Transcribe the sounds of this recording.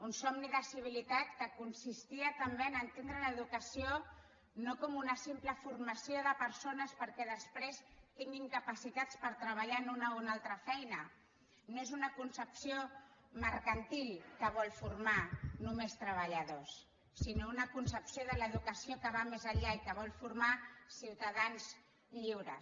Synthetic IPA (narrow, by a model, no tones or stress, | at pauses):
unsɔmniðəsiβ̞ilit̪at̪kəkunsist̪iət̪əmbeənənt̪end̪ɾələːðukəsio | nokɔmunəsimpləfuɾmasioðəpəɾsonəspəɾkɛðəspɾest̪iŋɡimkəpəsit̪at͡spəɾt̪ɾəβ̞aʎanunəunalˠt̪ɾəfɛjnə | noezunəkunsəpsioməɾkənt̪iʎkəβ̞ɔlfuɾmanumest̪ɾəβ̞əʎəðosː | inounəkunsəpsioðələðukəsiokəβamezaʎaikəβ̞ɔlfuɾmasiwt̪aðanz | ʎiwɾə